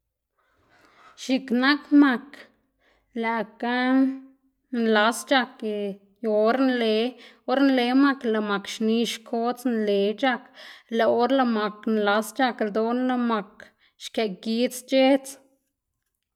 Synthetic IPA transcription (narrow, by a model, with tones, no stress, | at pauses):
ʃi˧kna˦kma˧k | læ˨ka˦ | nla˧˦st͡ʃa˧ke˨ | jo˨˦ɾnle˧˦ | o˦ɾnle˧˦ma˧kla˧˨ma˨kʃni˧˦ʃkʰo˦t͡snle˨t͡ʃa˦˧kla˨˧o˦ɾla˧ma˨knla˧˦st͡ʃa˧kld̪o˧˦nla˧ma˧k | ʃke˨ɡi˦t͡st͡ʃe˦t͡s